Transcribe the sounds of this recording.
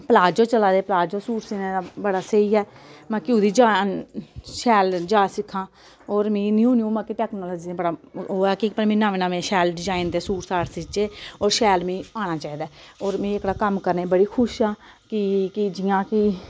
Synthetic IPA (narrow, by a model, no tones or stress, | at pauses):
pəlaːd͡ʒoːt͡ʃəlaːd̪eːpəlaːd͡ʒoːsuːʈsɪnẽːd̪abəɽaːsəiːɦɛːmãːkɪʊd̪iːd͡ʒaːnʃɛːld͡ʒaːsɪkʰːãː | oːɾmĩːnĩːũːniũːmãːkɪʈɛːknoːloːd͡ʒiːeːbəɽaːoːɛːkɪpəmĩːnãːʋeːnaːʋẽːʃɛːlɖɪzaːɪnt̪eːsuːʈsaːɽsɪt͡ʃeːoːɾʃɛːlmĩːaːñaːt͡ʃaːiːd̪aːoːɾmĩːɪkɽaːkəmkəɾneːbəɽiːkʰʊʃãː | kɪkɪd͡ʒɪjãːkɪ